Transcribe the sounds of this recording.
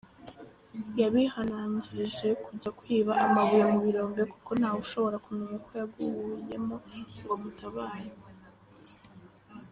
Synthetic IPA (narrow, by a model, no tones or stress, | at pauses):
jaβihanaɲɟiɾeʒe̞kuɟakwiːβaʔamaβujemuβiɾo̞ːmbeku̥ko̞n̥hauʃo̞βo̞ɾakunuŋukʰojaɡuhuje̞mo̞ŋɡo̞mutaβaːje